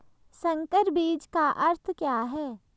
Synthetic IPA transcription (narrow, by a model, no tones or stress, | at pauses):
sɐ̃ŋkəɾbiːd͡ʒkaʔɐɾt̪ʰkjaːɦɛː